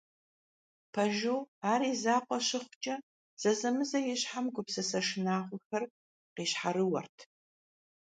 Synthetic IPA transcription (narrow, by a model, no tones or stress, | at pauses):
pʰɐʒowaːɾiːzaːqʷɔɕɪχʷʊt͡ʃʼɐ | z̥ɐzɐmɨzɐjɛɕħamɡʷʊpsɐsɐʂɪnaːχʷʊxɐr | qeːɕħaɾɨwɐ̰rtʰ